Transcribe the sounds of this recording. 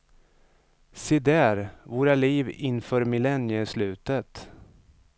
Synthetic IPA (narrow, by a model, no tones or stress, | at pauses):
sɪd̪æːɾvoːɾaliːvɪnfœːɾmɪlɛnjəslʉ̟ːt̪ət̪